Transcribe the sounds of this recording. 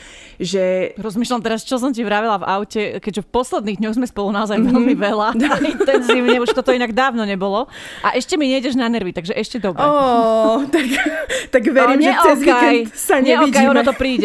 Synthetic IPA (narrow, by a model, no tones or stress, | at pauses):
ʒɛɾɔzmiːʃlamt̪ɛɾast͡ʃɔs̬ɔmciʋɾaʋɛlava̰ʊcɛkɛɟʒɛfpɔslɛd̪niːɣd̪ɲɔɣzmɛspɔlunaɔzajʋɛlmiʋɛlaaint̪ɛnziːʊɲɛuʃt̪ɔt̪ɔinaɡd̪aːʊnɔɲɛbɔlɔ | ʔaʔɛʃcɛmiɲɛiɟɛʒnanɛɾʋit̪aɡʒɛʔɛʃcɛd̪ɔbɾɛɔ | t̪akt̪aɡʋɛɾimʒɛɔɛzkɛjsaɲɛɔikjɔnɔt̪ɔpɾiːɟɛ